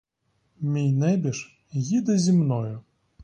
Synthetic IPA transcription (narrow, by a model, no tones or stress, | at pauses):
mʲijnɛbʲiʃ | jid̪ɐzʲimnɔjʊ